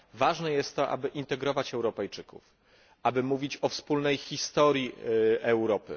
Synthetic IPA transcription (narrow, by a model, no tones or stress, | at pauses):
vaʐnɛjɛst̪ːɔʔa̰bɘʔint̪ɛɡɾɔvat͡ɕɛwɾɔpɛjt͡ʂɘkṵf | abɘmuvʲit͡ɕɔfspulnɛjxʲist̪ɔɾjiɛwɾɔpɘ̰